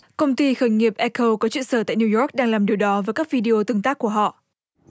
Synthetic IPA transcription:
kə˧wŋ͡mt̪i˧xəː˧˩jŋi˨˩əp̚ʔɛ˧kə˧wkɔ˨˦t͡ɕwḭ˧˨nsəː˧˩t̪a̰ː˧˨jni˧jɔ˦˥k̚ɗaː˧ŋlaː˨˩mɗi˨˩əwɗɔ˨˦vəː˨˦jkaː˦˥k̚vi˧ɗi˧ʔo˧t̪ɨ˧ŋt̪aː˦˥k̚ːu˧˩əɦɔ̰˧˨

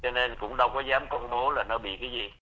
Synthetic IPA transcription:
t͡ɕɔ˧ne˧nkʊ̰˧˥ŋ͡mɗə˧wkɔ˨˦zaː˨˦mkə˧wŋ͡mɓo˨˦laː˨˩nɔ˨˦ɓḭ˧˨kaː˨˦jzi˨˩

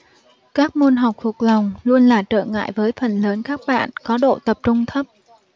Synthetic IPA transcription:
kaː˦˥k̚mo˧nɦa˨˩wk͡p̚fu˨˩k̚la˨˩wŋ͡mlu˧ənlaː˨˩t͡ɕə̰ː˧˩ŋa̰ː˧˨jvəː˨˦jfə˨˩nləː˨˦nkaː˦˥k̚ɓa̰ː˧˨nkɔ˨˦ɗo̰˧˨t̪ə˨˩p̚t͡ɕʊ˧ŋ͡mt̪ʰə˦˥p̚

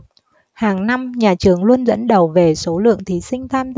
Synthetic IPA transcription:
haː˨˩ŋna˧mɲaː˨˩t͡ɕɨ˨˩əŋlu˧ənzə̰˧˥nɗə˨˩wve˨˩so˨˦lɨ̰˧˨əŋt̪ʰi˨˦sï˧ŋ̟t̪ʰaː˧m

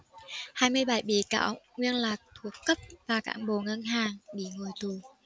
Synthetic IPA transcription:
haː˧jmɨ˧əjɓa˧˩jɓi˧˨˦ka̰ː˧˥wŋwi˧ənlaː˨˩k̚t̪ʰu˨˩əkːə˦˥p̚vaː˨˩ka̰ː˧˥nɓo˨˩ŋə˧nɦaː˨˩ŋɓḭ˧˩ŋo˨˩jt̪u˨˩

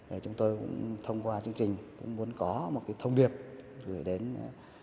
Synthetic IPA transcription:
ɗe˧˩t͡ɕʊ˨˦ŋ͡mt̪o˧jkʊ̰˧˥ŋ͡mŋ͡mt̪ʰə˧wŋ͡mkwaː˧t͡ɕɨ˧əŋt͡ɕï˨˩ŋ̟kʊ̰˧˥ŋ͡mmu˨˦ənkɔ˨˦mo˨˩t̚ka˨˦jt̪ʰə˧wŋ͡mɗi˨˩əp̚zɨ˧˩jɗe˨˦n

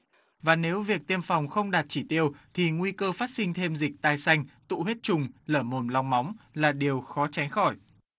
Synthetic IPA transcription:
vaː˨˩ne˨˦wvi˨˩ək̚t̪i˧əmfa˨˩wŋ͡mxə˧wŋ͡mɗaː˨˩t̚t͡ɕi˧˩t̪i˧əwt̪ʰi˨˩ŋwi˧kəː˧faː˦˥t̚sï˧ŋ̟t̪ʰe˧mzï˨˩k̟̚t̪aː˧jsa˧jŋ̟t̪ṵ˧˨he˦˥t̚t͡ɕʊ˨˩ŋ͡mləː˧˩mo˨˩nla˧wŋ͡mma˨˦wŋ͡mlaː˨˩ɗi˨˩əwxɔ˨˦t͡ɕa˨˦jŋ̟xɔ˧˩j

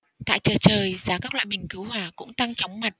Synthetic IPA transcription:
t̪a̰ː˧˨jt͡ɕəː˨˩t͡ɕəː˨˩jzaː˨˦kaː˦˥k̚lwa̰ː˧˨jmï˨˩ŋ̟kɨ˨˦whwaː˨˩kʊ̰˧˥ŋ͡mt̪a˧ŋt͡ɕə˨˦wŋ͡mma˨˩t̚

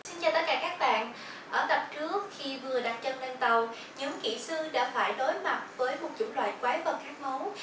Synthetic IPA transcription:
si˧nt͡ɕɔ˨˩t̪ə˦˥t̚kːaː˧˩kaː˦˥k̚ɓa̰ː˧˨n | ʔəː˧˩t̪ə˨˩p̚t͡ɕɨ˦˥ək̚xi˧vɨ˨˩əɗaː˧ŋt͡ɕə˧nle˧nt̪ə˨˩w | ɲɨ̰˧˥ŋkḭ˧˩sɨ˧ɗa̰ː˧˥faː˧˩jɗo˨˦jma˨˩t̚vəː˨˦jmo˨˩t̚t͡ɕʊ̰˧˥ŋ͡mlwa̰ː˧˨jkwaː˨˦jvə˨˩ŋk̪i˦˥ək̚mo˨˦w

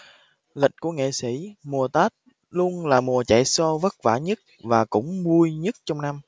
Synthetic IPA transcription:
lï˨˩k̟̚ku˧˩əŋḛ˧˨sḭ˧˩˥mu˨˩ət̪aː˦˥t̚ | lu˧ənlaː˨˩mu˨˩ət͡ɕa̰˧˨jsɔ˧və˦˥t̚vaː˧˩ɲə˦˥t̚vaː˨˩kʊ̰˧˥ŋ͡mɓu˧əjɲə˦˥t̚t͡ɕɔ˧wŋ͡mna˧m

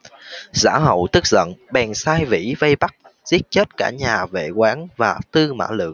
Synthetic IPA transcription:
za̰ː˧˥ɦə̰˧˨wt̪ɨ˦˥k̚zə̰˧˨nɓɛ˨˩nsaː˧jvḭ˧˥və˧jɓa˦˥k̚ | zi˦˥ət̚t͡ɕə˦˥t̚kaː˧˩ɲaː˨˩vḛ˧˨kwaː˨˦nvaː˨˩t̪ɨ˧ma̰ː˧˥lɨ̰˧˨əŋ

